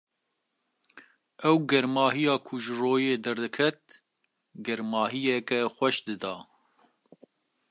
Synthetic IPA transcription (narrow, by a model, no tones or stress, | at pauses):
ɛwɡɛɾmɑːɦijɑːkʰʊʒɨroːjeːd̪ɛɾd̪ɨkʰɛt̪̚ | ɡɛɾmɑːɦijɛkɛxʷɛʃd̪ɨd̪ɑː